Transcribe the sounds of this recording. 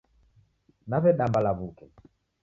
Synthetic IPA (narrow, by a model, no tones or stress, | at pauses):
naβɛɗambalaβukɛ